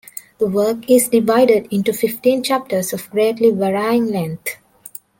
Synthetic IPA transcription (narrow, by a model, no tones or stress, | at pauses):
d̪̥əʋəːkɪzɖɪʋaɪɖeɖɪ̃nʈufɪfʈĩːnt͡ʃæp̚ʈəɾsɔfɡɾeːʈliʋəɾaɪɪ̃ŋlɛ̃nt̪